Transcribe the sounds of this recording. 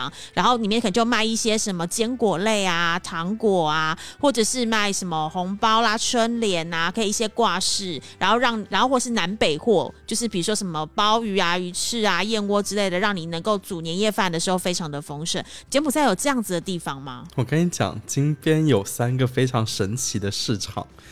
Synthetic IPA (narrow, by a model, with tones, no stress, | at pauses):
ŋɻa˧˥nxo˥˩ʊni˨˩mjnkʰə˨n˨˩t͡ɕo˥˧ma˥˧ɪi˥˩ɕjɛ˥ʂə˧˥nmə˧t͡ɕjɛ˥nkwɔ˨˩le˥˩ɪa˨t̪ʰɑ˧˥ŋkwɔ˨˩a˩xwɔ˥˩ʈ͡ʂɤ˨˩ʂɻ̩˥˧ma˥˩ɪʂə˧˥nmə˧xʊ˧˥ŋpɑ˥ʊla˨ʈ͡ʂʰwə˥nljɛ˨˩˦na˨kʰɤ˧˥i˨˩i˥˩ɕjɛ˥kwa˥˧ʂɻ̩˥˩ɻa˧˥nxo˥˧ʊɻɑ˥˩ŋn˨˩a˧˥nxo˥˧xwɔ˥˩ʂ̩˥˩na˧˥npe˨˩ɪxwɔ˥˩t͡ɕjo˥˧ʊʂ̬ɻ̩˥˩pi˨˩u˧˥ʂwoɔ˥ʂə˧˥nmə˧pɑ˥ʊy˧˥a˨y˧˥ʈ͡ʂʰɻ̩˥˩a˨jɛ˥˧nwɔ˥ʈ͡ʂɻ̩˥le˥˩ɪd̪ə˩ɻɑ˥˩ŋni˨˩nə˧˥ŋko˥˩ʊt͡su˨˩njɛ˧˥njɛ˥˧fa˥˩nd̪ə˩ʂɻ̩˧˥xo˥˩ʊfe˥ɪʈ͡ʂʰɑ˧ŋd̪ə˨fɤ˥ŋʂə̰˥˩n˨t͡ɕʰjɛ˧˥pu˨˩t͡sa˥˩ɪjo˨˩ʊʈ͡ʂɤ˥˧jɑ˥˩ŋd͡z̩˩d̪ə˩t̪i˥˩fɑ˨˩ŋma̰˨˦wɔ˨˩kə˧˥ni˧˥t͡ɕjɑ̰˨˩˦ŋt͡ɕi˥ŋp̪ʰjɛ˥njo˨˩ʊsa˦˥nɡə˨fe˥ɪʈ͡ʂʰɑ˧˥ŋʂə˧˥nt͡ɕʰi˧˥d̪ə˧ʂɻ̩˥˩ʈ͡ʂʰɑ̰˨˩ŋ